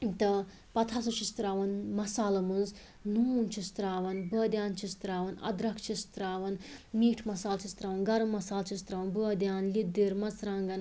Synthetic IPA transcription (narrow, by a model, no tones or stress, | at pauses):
t̪ɐ | pɐt̪ʰasut͡ʃʰist̪ɾaːʋɐnmɐsaːlɐmɨnz | nuːnt͡ʃʰist̪ɾaːʋɐnbəːd̪ʲjaːnt͡ʃʰist̪ɾaːʋɐnɐ̰d̪ɾɐkʰt͡ʃʰist̪ɾaːʋɐnmiːʈʰmɐsaːlt͡ʃʰist̪ɾaːʋɐnɡɐɾɐmːɐsaːlt͡ʃʰist̪ɾaːʋɐnbəːd̪ʲjaːnlid̪iɾmɐzɾaːŋɡɐn